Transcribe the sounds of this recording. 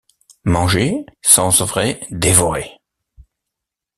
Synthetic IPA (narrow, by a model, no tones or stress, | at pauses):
mɑ̃ʒesɑ̃zvʁɛd̪evɔʁe